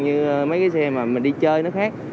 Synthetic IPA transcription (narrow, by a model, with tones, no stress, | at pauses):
ɲɨ˧mə˨˦jkaː˨˦sɛ˧maː˨˩mï̟˨˩ɗi˧t͡ɕəː˧jnɨ˦˥əkxaː˦˥k̚